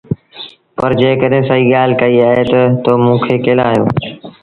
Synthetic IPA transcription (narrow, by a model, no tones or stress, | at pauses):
pɐɾd͡ʑeːkəɗɦẽsɐiːɠaːlkɐiaːɦet̪ɐt̪oːmũːkʰeːkeːlaːɦjo̰ː